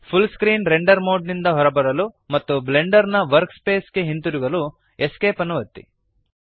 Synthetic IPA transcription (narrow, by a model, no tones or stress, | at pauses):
pʰulskɾiːnɾe̞ɳɖɐɾmo̞ːɖnind̪ɐɦɔɾɐbɐɾɐlu | mɐt̪ːuble̞ɳɖɐɾnɐʋɐɾkspe̞ːske̞ɦint̪uɾuɡɐlu | eskeːpɐnːuʋɐt̪ːḭ